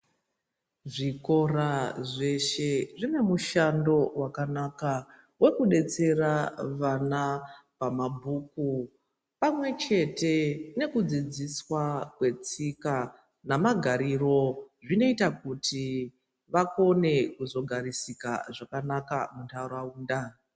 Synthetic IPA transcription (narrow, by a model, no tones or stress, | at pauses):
ʐiko̞raʐe̞ʃe̞ʐine̞muʃando̞wakanaka | we̞kuɗe̞t͡se̞raʋanapamabʱuku | pamwe̞t͡ʃe̞te̞ne̞kud͡zid͡ziswakwe̞t͡sika | namaɡʱaɾiro̞ʐino̞itakuti | ʋako̞ne̞kuzo̞ɡʱaɾisika̰ʐakanaka̰muntauɾauːnda